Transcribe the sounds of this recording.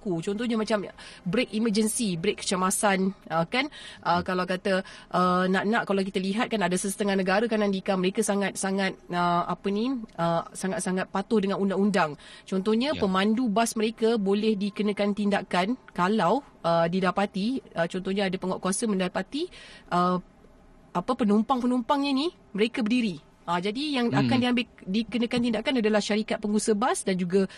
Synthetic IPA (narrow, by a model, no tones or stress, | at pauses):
kut͡ʃɔnt̪ɔhɲamat͡ʃambɾekiməd͡ʒənsibɾekːə̥t͡ʃəmasanəkanʔəkalawkat̪əʔənãʔnãʔkalawk̬it̪aliɦat̪̚kanadasəsət̪əŋahnəɡaɾakanandikaməɾekasaŋat̪̚saŋat̪̚əa̰pəniəsaŋat̪̚saŋat̪̚pat̪ʊhdəŋãnundaŋundaŋt͡ʃɔnt̪ɔhɲapəmãndubasməɾekabolɛhdikənə̃kant̪indakankalaw | ədidapat̪iət͡ʃɔnt̪ɔhɲaadapəŋɔʔkuasəmə̃ndapat̪iʔə | apəpənumpaŋpənumpaŋɲani | məɾekabərdiɾi | ʔəd͡ʒadijaŋakandiambɪldikənə̃kant̪indaʔkanadalahʃaɾikat̪̚pəŋɡusəbasdand͡ʒuɡa